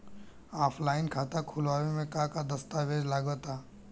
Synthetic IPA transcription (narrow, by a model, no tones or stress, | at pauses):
aːpʰlaːɪnkʰaːt̪akʰʊlʋaːʋemẽkakad̪ɐst̪aʋeːd͡ʒlaːɡət̪aː